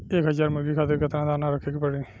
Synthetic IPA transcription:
eːkɦəzaːɾməɡiːkʰaːt̪eɾkət̪ɾãːd̪aːnaɾəkʰekpəɽeː

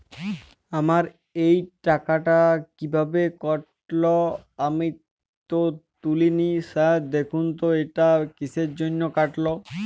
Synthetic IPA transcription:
amaɾ | ejʈakaʈakibʱabekɔʈ | loami | t̪ot̪uliniʃad̪ekʰunt̪oeʈakiseɾd͡ʑonːokaʈlo

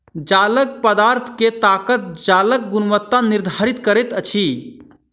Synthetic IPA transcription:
d͡ʒalək̚pəd̪aɾt̪ʰket̪akət̪̚d͡ʒalək̚ɡunʋət̪ːaniɾd̪ʱaɾit̪kəɾɛt̪ət͡ʃʰi

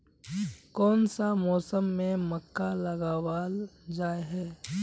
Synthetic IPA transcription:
kɔːnsamɔːsəmːẽməkːalɐɡaːwaːld͡ʒaːeɦɛː

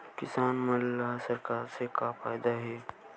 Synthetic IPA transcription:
kɪsaːnmɐlaɦsɐɾkaːɾsekafaːjd̪aɦɛː

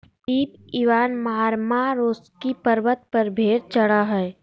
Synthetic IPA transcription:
iːpiːʋaːnmaːɾmaɾoːskipəɾbət̪̚pəɾbʱeːɾt͡ʃəɽaɦɛː

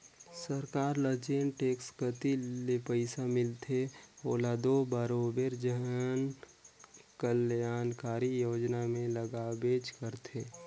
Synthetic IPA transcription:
səɾkaːɾləd͡ʒeːnʈeːkskət̪ilepəɪsamɪlt̪ʰeoːlad̪obəɾoːbeɾd͡ʒəɦn | kəljaːnkaːɾijoːd͡ʒnamẽləɡaːbeːd͡ʒkəɾt̪ʰeː

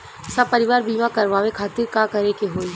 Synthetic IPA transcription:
sɐb̚pɐɾɪʋaːɾbiːmãkɐɾʋaːʋekʰaːt̪ɪɾkakɐɾekeɦoːi

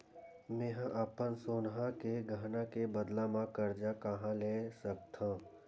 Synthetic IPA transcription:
mẽɦãʔapənsoːnɦakeɡʱaːnakebəd̪lamãkəɾd͡ʒakɐɦãlesɐk̚t̪ʰãː

